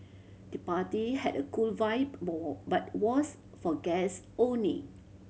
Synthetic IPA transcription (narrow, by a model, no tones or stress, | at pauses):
d̥əpatihɛdəkulvaɪp̚ɔbat̚wɔs | fɔɡɛs | õnlḭ